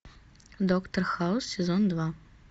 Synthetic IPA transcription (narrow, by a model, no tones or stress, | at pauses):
d̪ɔkt̪ɐrxaʊssʲɛzɔnd̪va